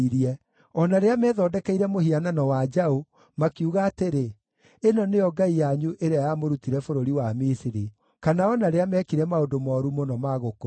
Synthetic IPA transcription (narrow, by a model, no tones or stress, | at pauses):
iɾiɛ | ɔnaɾeamɛːðɔːdɛkɛiɾɛmohiananɔwad͡ʒao | makiuɣaːteɾe | enɔneɔɡaijaɲuʔeɾeajamoɾutiɾɛfoɾoɾiwamisiɾi | kanaɔnaɾeamɛːkiɾɛmaodomɔːɾumonɔmaɣoko